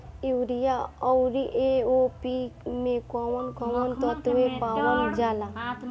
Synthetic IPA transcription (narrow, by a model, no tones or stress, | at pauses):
iwɾijaɔwɾiʔeopimekɔwɔnkɔwɔnt̪ɔt̪uwepawɔnd͡ʒala